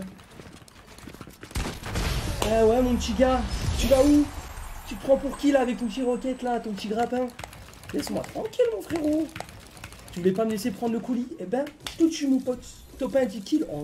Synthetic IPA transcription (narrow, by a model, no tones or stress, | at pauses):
ɛwɛmɔ̃pət̪iɡʲat̪yvaut̪yt̪əpχɑ̃puʁkʲilaːvɛk̚t̪ɔ̃pət̪iʁɔkʲɛt̪lat̪ɔ̃pət̪iɡʁapɛ̃ | lɛsmwa̰t̪χɑ̃kʲilmɔ̃fχeʁo | t̪yvulɛpaməlesepχɑ̃d̪ʁləkuliebɛ̃t̪ut̪symupɔt̪ː | ɔpɛ̃t̪ikʲilɑ̰̃